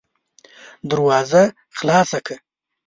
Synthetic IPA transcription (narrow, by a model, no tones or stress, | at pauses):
d̪əɾwɑːza | xlɑːsakʰa